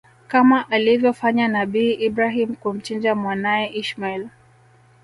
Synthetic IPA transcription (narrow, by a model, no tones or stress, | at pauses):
kamaʔalivjɔfaɲanaɓiːʔibɾaɦim̩kum̩t͡ʃind͡ʒamwanajɛʔiʃmail